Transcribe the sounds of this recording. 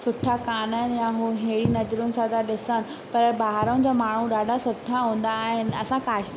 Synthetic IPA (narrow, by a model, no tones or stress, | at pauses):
sʊʈʰakaːnənjãɦuːɦeːɽinɐd͡ʑɾʊnɪ̆sãt̪ʰaɗɪsənɪ̆ | pɐɾbaːɦaɾəʊ̃d͡ʑamaːɳ̤uɗaːɖʱasʊʈʰaɦũːn̆d̪aːɦɪnɪ̆ɐsãkaːʃ